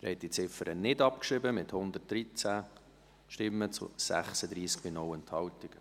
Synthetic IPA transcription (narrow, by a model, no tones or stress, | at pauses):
ɾɛ̰ɪt̚d̥it͡sɪfəɾənɪdɑp̚kʃɾɪbəmɪthʊnd̪ət̚d̥ɾit͡sæ | ʃtɪmːət͡sṵsæ̰χsəd̪ɾiːskbinɔwɛnt̪hɑltɪɡ̥ə